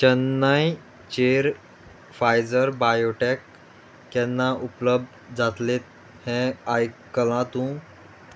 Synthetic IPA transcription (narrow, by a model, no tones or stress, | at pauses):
t͡ɕənːaj | t͡ɕeɾ | fajd͡zəɾbajoʈekː | ɛ̃nːaʔupləb̚d̪d͡zat̪let̪̚ | hɛ̃ajkːəlãt̪ũ